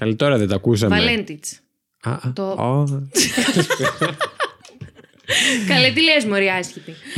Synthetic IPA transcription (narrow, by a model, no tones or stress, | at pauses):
kɐlit̪oɾɐðet̪ɐkus̬ɐmɐlent̪it͡s | ɐ̰t̪oo | kɐlet̪ilezmoɾiɐsçit̪i